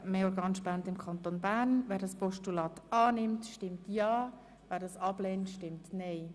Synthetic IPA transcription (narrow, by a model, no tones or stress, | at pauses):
meːɔɾɡɑːnʃpæntɪmkʰɑnt̪onbæːɾnʋɛːɾdɑspɔʃtulɑːt̪ɑːnɪmtʃtɪmtjɑː | ʋɛːɾdɑsɑb̥leːntʃtɪmtneɪ